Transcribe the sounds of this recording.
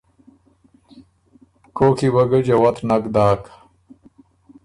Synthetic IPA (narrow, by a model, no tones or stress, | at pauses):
koːkʰiwɐɡɐd͡ʑɐwɐt̪ʰnɐkd̪aːk